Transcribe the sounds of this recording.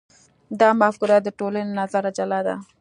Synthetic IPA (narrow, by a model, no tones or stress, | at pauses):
d̪ɑmafkuɾat̪̚d̪əʈolanenazaɾad͡ʒalɑd̪a̰